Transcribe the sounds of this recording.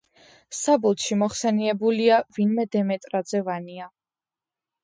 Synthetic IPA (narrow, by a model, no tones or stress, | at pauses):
sabulˠt̪ʃimɔχsɛniɛbuliavinmɛd̪ɛmɛt̪ʼɾad̪zɛvania